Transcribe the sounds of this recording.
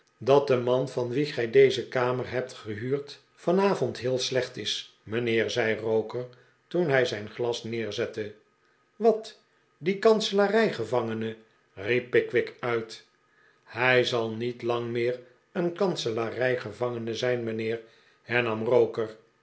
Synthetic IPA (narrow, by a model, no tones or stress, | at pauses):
dɑt̚dəmɑnvɑnʋiχɛjdejzəkaːmərɦɛp̚tχəɦyːɹt | fɑnaːvɔntɦɪːlˠslɛχtɪs | mənɪːɹzɛjrowkəɹ | tunɦɛjzɛjnχlɑsnɪːɹzɛtə | ʋɑt | dikɑnsəlarɛjχəvɑŋənə | ripːɪkʋɪkœɥt | hɛjzɑlˠnitlɑŋmɪːr | ənkɑnsəlarɛjχəvɑŋənəzɛjnmənɪːɹ | hɛɹnɑmrowkər